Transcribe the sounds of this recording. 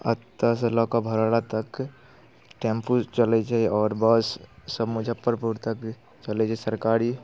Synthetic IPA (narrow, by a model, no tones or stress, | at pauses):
ə̰t̪ːəslɔkabʱəɾaɽat̪ək | ʈẽmput͡ʃəlet͡ʃaɔːɾbəsːəbmʊd͡ʒʱəpːəɾpuɾt̪ək | t͡ʃəled͡ʒɛsəɾkaːɾi